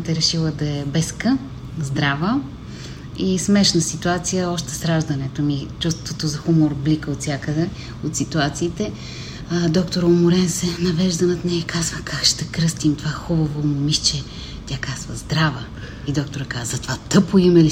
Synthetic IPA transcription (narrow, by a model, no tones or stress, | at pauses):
t̪ɛɾɛʃilˠəd̪ɐɛbɛskə | zd̪ɾavə | ismɛʃnəsit̪uat̪sijəɔʃt̪ɛ̥sɾaʒd̪ɐnɛt̪omit͡ʃust̪t̪vot̪ozɐxumoɾblikəot̪sʲjakəd̪ɛ | ot̪sit̪uat̪siːt̪ɛ | d̪ɔkt̪oɾoʊmʊɾɛnsɛnɐvɛʒd̪ɐnɐt̪nʲɛɛkazvəkʰakʃt̪ɛkɾɤst̪imt̪ovaxubəvomʊmiʃt͡ʃɛ | t̪ʲakaz̥və̰zd̪ɾavə | id̪ɔkt̪oɾɐkazzɐt̪ovat̪ɤpoimɛli